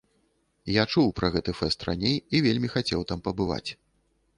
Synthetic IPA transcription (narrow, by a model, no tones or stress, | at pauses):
jat͡ʂuwpɾɐɣɛt̪ɨfɛst̪rʔa̰nʲejivʲelʲmʲixat͡sʲɛwt̪ampɐbɨva̰t͡sʲ